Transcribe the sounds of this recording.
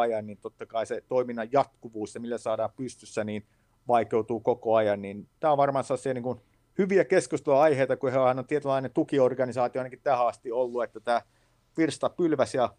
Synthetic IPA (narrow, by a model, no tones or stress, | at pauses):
ɑjɑnniːnt̪ot̪ːɑkɑiset̪oiminːɑjjɑt̪kuʋuːsjɑmilːæsɑːdɑːmpyst̪ysːæniːn | ʋɑikeut̪uːkokoɑjɑnnint̪æːõʋɑrmɑːnsɑlːɑsiɑniːŋkun | hyʋiækeskust̪eloɑiheit̪ɑkuhehænont̪iet̪ylːɑinent̪ukiorɡɑnisɑːt̪ioɑinɑkit̪æːhæɑst̪iolːuet̪ːæt̪æː | ʋirst̪ɑpylʋæsjɑ